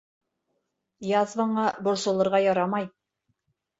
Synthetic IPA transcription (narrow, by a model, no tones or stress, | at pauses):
jɑðvɤ̆ɴɑbŏɾsɤ̆lˠɤ̆ɾʁɑjɑɾɑmɑj